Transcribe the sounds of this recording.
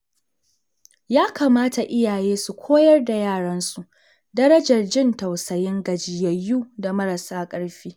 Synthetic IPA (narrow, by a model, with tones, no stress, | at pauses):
jaː˦kaː˨maː˦ta˨ʔɪ˦jaː˨jeː˦su˨kʷʰoː˦jɐ˦rda˨jaː˦˨ɽɐ˦nsu˨ʔ | dɐ˦ɾɐ˦d͡ʒɐ˨rd͡ʒɪ˦˨ntɐ˨wsɐ˨jɪ˦ŋɡɐ˨d͡ʒɪ˨jɐ˨jːuː˦da˨mɐ˦ɾɐ˨saː˦kʼɐ˦ɽɸiː˦